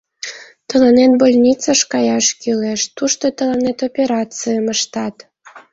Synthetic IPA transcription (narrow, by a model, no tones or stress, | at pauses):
t̪ɤ̆lɤnet̪bolʲnʲit͡sɑʃkɑjɑʃkʲileʃt̪uʃt̪ot̪ɤ̆lɤ̆net̪opʲeɾɑt͡sɨjəmə̆ʃt̪ɑt̪